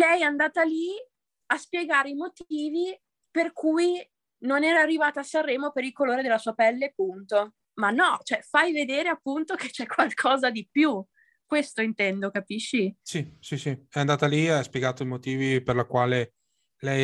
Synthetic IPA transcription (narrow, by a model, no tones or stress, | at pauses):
lɛjɛand̪aːt̪ali | aspjeɡaːɾeimot̪iːvi | perkʰuj | nonɛːɾaːrːivaːt̪aːsarːɛːmopeɾilkoloːɾed̪elːasuːapɛlːepːunt̪o | manːɔt͡ʃoɛfajved̪eːɾeapːunt̪oket͡ʃɛkːwalkʰɔːzad̪ipju | kwest̪oint̪ɛnd̪okapiʃːisisisiɛand̪aːt̪aliaspjeɡaːt̪oimot̪iːviperlakwaːle | lɛj